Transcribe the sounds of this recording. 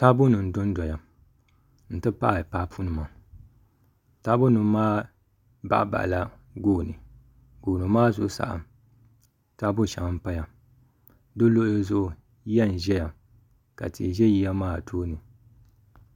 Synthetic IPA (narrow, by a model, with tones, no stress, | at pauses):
ta˦bʊ˦nɨ˨n̩˨dʊ˦n˦dɔ˨ja˨ | n̩˨tɨ˦pa˦ʔa˨paː˦pʰu˦nɨ˨ma˨ | ta˦bʊ˦nɨ˨˦maː˦ | ba̰˦ʔba̰˨ʔla˨ | ɡoː˦˨nɨ̰˨ | ɡoː˨nɨ˨maː˦zʊ˨ʔʊ˦sa̰˨ʔa̰˨ | ta˦bʊ˦˨ʃa̰˨ŋa˦m̩˦pa˦ja˨ | do˦lo˦ʔlzʊ˦˨ʔʊ˨ | jɛ˦˨n˨ʒɛ˦ja˨ | ka̰˨tʰḭ˨ʒɛ˦ji˦ja˦maː˦˨tʰoː˦nɨ˨